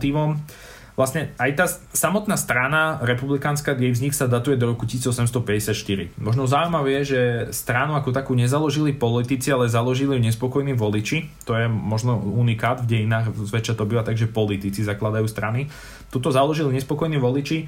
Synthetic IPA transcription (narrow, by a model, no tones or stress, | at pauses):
t̪iːʋɔm | ʋlasɲɛajt̪aːsamɔt̪naːst̪ɾanaɾɛpublikaːnskajɛjvzɲiksad̪at̪ujɛd̪ɔɾɔku̥cisid͡zɔsɛmst̪ɔpɛɟɛsɪat̪ʃt̪iɾḭmɔʒnɔzaujmaʋɛjɛʒɛst̪ɾanuakɔt̪akuːɲɛzalɔʒilipɔlit̪it͡sialɛzalɔʒiliɲɛspɔkɔjniːʋɔlit͡ʃit̪ɔjɛmɔʒnɔunikaːd̪vɟɛjinaːɣzʋɛt͡ʃat̪ɔbiʋat̪aɡʒɛpɔlit̪it͡sizaklad̪ajuːst̪ɾani | t̪ut̪ɔzalɔʒiliɲɛspɔkɔjniːʋɔlit͡ʃi